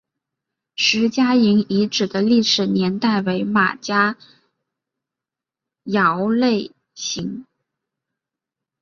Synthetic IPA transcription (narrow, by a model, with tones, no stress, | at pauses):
ʂɻ̩˧˥t͡ɕja˥i˧˥ŋi˧˥ʈ͡ʂɻ̩˨˩d̪ə˦li˥˩ʂɻ̩˨˩njɛ˧˥nt̪a˥˩ɪwe˧˥ɪma̰˨˩t͡ɕja˥ | jɑ˧˥ʊle˥˩ɪ | ɕi˧˥ŋ